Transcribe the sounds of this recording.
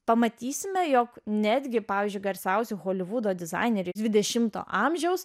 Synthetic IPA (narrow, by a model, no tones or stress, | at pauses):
pɐmɐt̪ʲiːsʲɪmʲɛjoːknʲæːd̪ʲɡʲɪpɑːʋʲiːzʲd͡ʒʊɪɡɐɾʲsʲɛʊsʲuxoːlʲɪʋuːd̪oːd̪ʲɪzɑ̰ɪnʲɛɾʲɪd̪ʋʲɪd̪ʲɛʃʲɪmt̪o̰ːʔɑːmʲʒʲɛʊs